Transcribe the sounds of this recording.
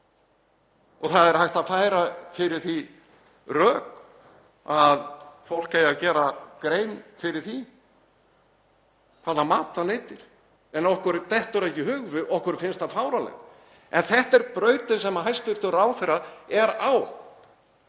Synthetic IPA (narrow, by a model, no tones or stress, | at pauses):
ɔɣθaðɛɾhajht̪aðfaːjɾafɪɾɪɾ̥θi | rœːk | aðfowl̥kaːjacɛːɾakɾeːjmfɪɾɪɾ̥θi | fʰaːlamaːt̪aleːjt̪ɪɾ̥ | ɛnɔhkʏɾt̪ɛht̪ʏɾaɛhcɪhʏɣvʏʔɔhkʏɾfɪnst̪aðfaːwɾalɛ̰ | ɛ̰nθɛht̪ɛɾpɾœːɥt̪ʏsɛmaɦajst̪ʏɾ̥t̪ʏɾaːwθejɾaɛɾaw